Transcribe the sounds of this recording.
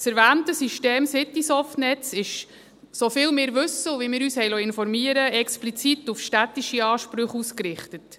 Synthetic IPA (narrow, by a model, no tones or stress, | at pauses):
sɛɾʋæːntəsiʃteːmsɪt̪isɔftnɛt͡sɪʃ | sofɪːlmɪːɾʋʉsəʋimɪːɾyːshɛjlɔɪnfɔɾmiəɾəɛksplit͡sit̪ufʃtæt̪iʃiɑːʃpɾʏχuːskɾɪχtət